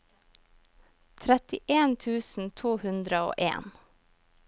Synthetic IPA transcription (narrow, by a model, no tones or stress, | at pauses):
t̪ʰɾɛt̪ɪʔeːnt̪ʰʉːsn̩t̪ʰuːhʉnd̪ɾəo̰ːʔḛːn